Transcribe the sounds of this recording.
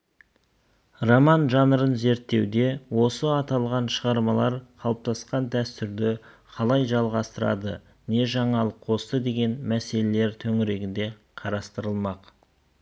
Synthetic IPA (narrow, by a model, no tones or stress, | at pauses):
romɑnʒɑnəɾənze̞ɾt̪ːe̞wd̪e̞wo̞səɑt̪ɑlˠʁɑnʃəʁɑɾmɑlˠɑɾqʰɑlˠəp̚t̪ʰɑsqɑnd̪æst̪ʏɾd̪ɪ | qʰɑlˠɑjʒɑlˠʁɑst̪əɾɑ̰d̪ə̰ | ne̞ʒɑɴɑlˠəqqʰo̞st̪əd̪e̞ɡʲe̞nmæse̞le̞le̞ɾt̪ʰɵŋɪɾe̞ɡʲɪnd̪e̞ | qʰɑɾɑst̪əɾəlˠmɑq